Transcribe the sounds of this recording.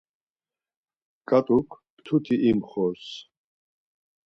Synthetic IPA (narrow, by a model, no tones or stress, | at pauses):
kʼat̪ʼukʰ | t̪ʰut̪ʰiʔimχɔs